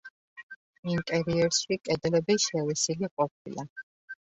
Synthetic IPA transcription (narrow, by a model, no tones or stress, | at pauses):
int̪ʼɛɾiɛɾswikʼɛd̪lɛbɛʃɛwɛsiliqʼɔp̚ʰḭla